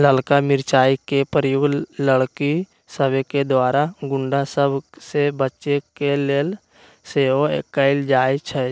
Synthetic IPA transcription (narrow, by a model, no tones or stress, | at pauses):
ləlkamɪɾt͡ʃaːikepəɾjoːɡləɽki | səbeked̪waːɾaɡʊ̃ɳɖasəbsebətːt͡ʃekeleːl | seːoekəɪld͡ʒaːet͡ʃʰɛ